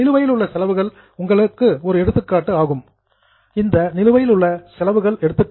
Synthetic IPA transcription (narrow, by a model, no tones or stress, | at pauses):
ɪlɯʋɐjɪlʊɭːɐsɛlɐʋɯɣɐɭ | ʊŋɡɐɭɯkːɯɔɾɯɛɽɯt̪ːɯkːaːʈːɯaːɣɯm | ɪnd̪ɐnɪlɯʋɐjɪlɯɭːɐsɛlɐʋɯɣɐɭɛɽɯt̪ːɯk